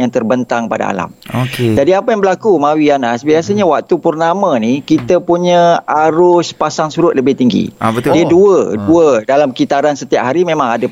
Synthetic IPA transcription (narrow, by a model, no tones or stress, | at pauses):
jaŋt̪ərbənt̪aŋpada̰a̰la̰moked͡ʒadiapajaŋbəlakumãwianasbiasaɲawak̚t̪upərnamãnikit̪əpuɲãaɾʊspasaŋsuɾʊt̪̚ləbɪht̪iŋɡḭt̪diəduəduədalamkit̪aɾansət̪ia̰p̚ɦaɾimẽmãŋada